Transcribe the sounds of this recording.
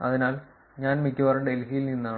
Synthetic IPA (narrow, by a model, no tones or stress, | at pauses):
ɐ̰ðinaːl | ɲaːnmikʲːɐʋɐrɖelɦijilninːaːɳ